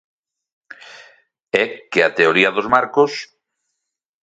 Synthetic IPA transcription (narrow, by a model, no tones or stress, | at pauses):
ɛkeat̪eoɾiɐðozmaɾkos